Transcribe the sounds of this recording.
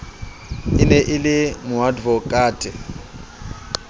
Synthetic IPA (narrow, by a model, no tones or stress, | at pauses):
ɪnɛʔɪlɪmʊadvɔkʼaːtʼɪ